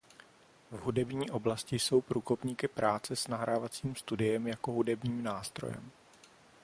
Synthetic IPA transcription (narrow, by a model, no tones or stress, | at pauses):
vɦudɛbɲiːʔo̞blascɪjso̞wpɾuːko̞pɲiːkɪpɾaːt͡sɛsnaɦɾaːvat͡siːmst̪udɪjɛmjako̞ɦudɛbɲiːmnaːst̪ɾo̰jɛ̰m